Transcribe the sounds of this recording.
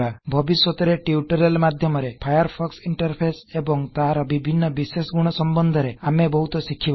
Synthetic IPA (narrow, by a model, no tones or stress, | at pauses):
abʱɔbiswɔt̪ɔɾeʈiuʈɔɾelmad̪ʱjɔmɔɾepʰajɔɾpʰɔksiɳʈɔɾpʰesebɔŋt̪aɾɔbibʱinːɔbisesɡuɽ̃ɔsɔmbɔnd̪ʱɔɾeamebɔɦut̪ɔsikʰːib